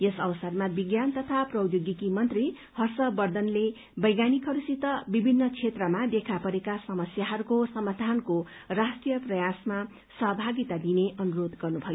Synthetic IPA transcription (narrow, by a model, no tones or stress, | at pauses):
jesʌwʌsʌrmabiɡjant̪ʌt̪ʰaprʌw̪joɡikimʌnt̪ri | hʌrsʌbʌrd̪ʱʌnle | bʌjɡanikʰɦʌɾusit̪ʌbibʱinːʌt͡sʰet̪rʌmad̪ekʰapʌɾekasʌmʌsjaɦʌɾukosʌmad̪ʱankorasʈrijʌprʌjasma | sʌɦʌbʱaɡit̪ad̪ineʔʌnuɾod̪ɡʌrnubʱʌjo